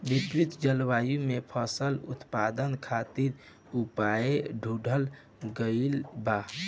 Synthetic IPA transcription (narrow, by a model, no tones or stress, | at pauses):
bipɾit̪d͡ʒəlʋajumepʰəsəlut̪pad̪ənkʰat̪iɾ | upaeɖʱuɖʱəl | ɡəilba